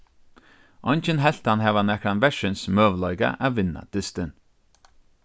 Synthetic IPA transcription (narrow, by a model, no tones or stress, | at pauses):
ɔnt͡ʃənɦɛɬt̪anɦɛːvanɛkɾanvɛʃɪnsmœːvlɔjɡa̰ʔavɪna̰d̪̥ɪst̪ɪn